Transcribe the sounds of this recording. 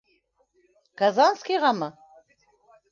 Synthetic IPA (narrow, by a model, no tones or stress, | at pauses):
ɡ̥azanskiʁamə